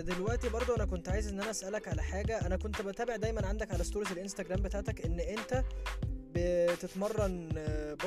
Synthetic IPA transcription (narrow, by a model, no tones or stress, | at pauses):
d̪elwæʔt̪ibɑɾˤd̪ˤoʔænækont̪ʕaːjezʔenːʔænæʔæsʔælækʕalæħaːɡæʔænækont̪bæt̪æːbeʕd̪æjmænʕand̪ækʕalæst̪uːɾezelʔenst̪æɡɾæːmbet̪aːʕt̪ækʔenːʔent̪æbet̪et̪mɑrˤːɑnb